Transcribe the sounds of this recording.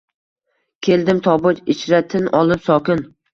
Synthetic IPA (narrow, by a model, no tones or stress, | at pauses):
kʲʰe̞ld̪ɪmt̪ʰɒbʊt͡ʃɪt͡ʃɾat̪ʰɪnɒlˠɪpsɒkʲɪn